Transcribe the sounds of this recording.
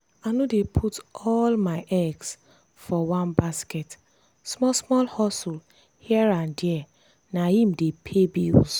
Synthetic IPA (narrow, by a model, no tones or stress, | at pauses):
anudepʰutɔlmaɪʔɛɡs | fɔwãnbaskɛt | smɔsmɔlhɔsul | hiɛɹandɛ | nahĩm̩depʰebis